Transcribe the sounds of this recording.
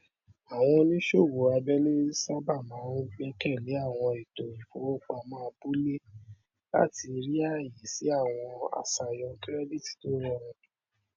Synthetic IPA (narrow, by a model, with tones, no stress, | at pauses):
a˨w̃ɔ̃˧nĩ˦ʃo˦˨wo˨˦a˧bɛ˦nĩ˦sa˦ba˦˨mãː˨˦n˦ɡ͡bɛ˦kɛ˦˨le˨˦a˦˨w̃ɔ̃˧i˨to˨i˨fo˨˦o˦k͡pa˨mãː˦˧bu˦le˦ | la̰˦ti˧ɾi˦a˦˨ji˨si˨˦a˦˨w̃ɔ̃˧a̰˨sa˧˨jɔ̃˧kɾɛ˦di˦˨ti̥˨to˦ɾɔ˦˨ɾ̃ɔ̃˧